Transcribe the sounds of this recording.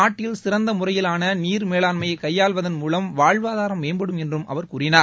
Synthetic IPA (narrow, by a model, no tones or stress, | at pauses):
aːʈːɪlsɪrɐnd̪ɐmʊrɐjɪlaːnɐniːɾmeːlaːnmɐjɐɪkɐjːaːɭʋɐðɐnmuːlɐmʋaːɻʋaːðaːɾɐmʋeːnbɐɽɯmɛndrɯmʔɐ̰ʋɐɾkuːɾɪnaː